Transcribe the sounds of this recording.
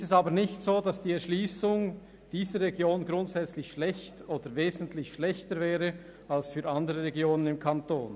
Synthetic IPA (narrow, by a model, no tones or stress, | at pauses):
stɛsɑːbəɾnɪçtsoːdɑsd̥iːɛʃliːsʊŋ | d̥iːzəʁːɛɡjoːnɡɾʊntsɛt͡slɪçʃlɛçtoːd̥əveːzən̩tlɪçʃlɛçtəɾvɛːʁə | ɑlsfyːɾɑndəʁəʁɛɡjoːnənɪmkʰɑnto̰ːn